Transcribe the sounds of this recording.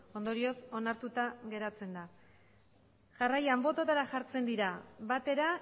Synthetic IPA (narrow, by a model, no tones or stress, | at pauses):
o̞nd̪o̞ɾio̞so̞naɾt̪ut̪aɣe̞ɾat͡se̞nd̪a | ʝarajambo̞t̪ot̪aɾaʝaɾt͡se̞nd̪iɾaβat̪e̞ɾa